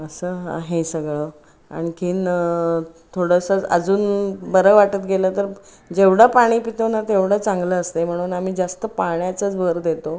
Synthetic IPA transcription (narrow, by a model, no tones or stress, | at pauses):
əsəːɦa̰ɦesəɡɭə | a̰ɽ̃ikʰiːn | t̪ʰoɽəsət͡sə̰d͡zuːnbəɾəʋaʈət̪ɡʱelət̪əɾ | d͡ʑeʋɽapaɽ̃iːpit̪onat̪eʋɽat͡sãŋɡləəst̪em̤əɽ̃uːnam̤iːd͡zast̪əpaɳjat͡sət͡sbʱəɾd̪et̪o